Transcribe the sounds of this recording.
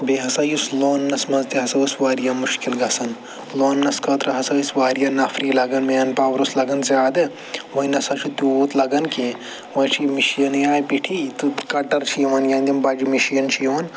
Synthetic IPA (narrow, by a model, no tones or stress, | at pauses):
beɦɐsɐjusloːnːɐsmɐnzt̪iɦɐsɐjusʋaːɾijamuʃkilɡɐsɐn | loːnːɐskɐt̪ɾɐɦɐsɐjisʋaːɾijanɐfʰɾiːlɐɡɐnmeːɐnpaːʋɾuslɐɡɐnzʲjaːd̪ɨ | ʋɐinɐsɐt͡ʃʰit̪ut̪lɐɡɐnki | ʋɐjt͡ʃʰimiʃijɐnjaːjpiʈʰit̪ukɐʈɐɾt͡ʃʰiʋɐnjɐ̃ːnd̪imbad͡ʒimiʃijɐnt͡ʃʰiʋɐn